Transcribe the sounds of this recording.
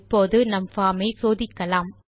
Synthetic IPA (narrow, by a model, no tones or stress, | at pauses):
pːoːðɯnɐmfaːmɐɪsoːðɪkːɐlaːm